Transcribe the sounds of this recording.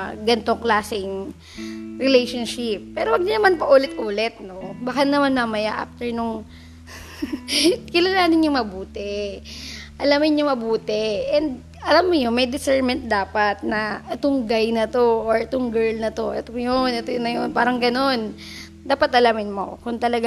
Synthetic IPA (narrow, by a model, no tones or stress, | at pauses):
ɡɐnt̪o̞ŋklaːsɪŋ | ɹɪlejʃonʃɪp̚ːɛːɾowɐɡ̚nɪnɐmanpɐʔuːlɪt̪̚ʔuːlɛt̪̚no̞bɐkanɐmanmɐmɐjaʔa̰ːft̪ɛɹnʊŋ | kɪlalaːnɪɲɲʊŋmɐbuːt̪ɛ | ʔɐlamɪnɲʊŋmɐbuːt̪ɛʔɛnd̪̚ | ʔɐlamːojomɐjd̪ɪsɛɹmɛnt̪̚d̪aːpɐt̪̚nɐʔɛt̪oŋɡajnɐt̪o̞ʔoɹɛt̪oŋɡɛɹlnɐt̪o̞ʔɛ̰t̪oŋjonʔɛt̪ojnɐjonpaːɾɐŋɡɐno̞n | d̪aːpɐt̪ʔɐlamɪnmo̰kʊŋt̪ɐlɐɡ